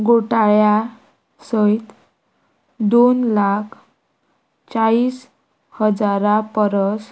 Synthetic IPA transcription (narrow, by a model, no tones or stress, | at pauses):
ɡoʈaja | səjt̪ | d̪onlakʰ | t͡sais | həd͡zaɾapəɾəs